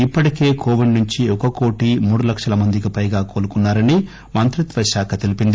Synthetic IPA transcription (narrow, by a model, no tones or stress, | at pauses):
ipːɐʈike̞ːkʰo̞ːʋiɖnuɲt͡ʃiɔkɐkoːʈimuːɽulɐkʂɐlɐmɐnd̪ikipɐjɡaːko̞ːlukunːaːɾɐni | mɐnt̪ɾit̪ʋɐʃaːkʰɐt̪elipind̪i